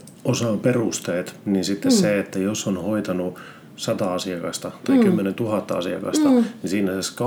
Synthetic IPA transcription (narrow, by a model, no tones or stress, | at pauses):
osɑːmperust̪eːt̪ninsit̪ːesseet̪ːæjosːonhoit̪ɑnu | sɑt̪ɑɑsiɑkɑst̪ɑt̪ɑikymːenent̪uhɑt̪ːɑɑsiɑ̰kɑ̰st̪ɑnisiːnæseskɑ